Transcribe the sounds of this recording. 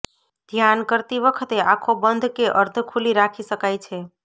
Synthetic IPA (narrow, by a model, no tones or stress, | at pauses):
d̪ʱjankəɾt̪iβəkʰət̪eʔakʰobənd̪ʱkeʔəɾt̪ʰkʰuliɾakʰisəkajt͡ʃʰɛ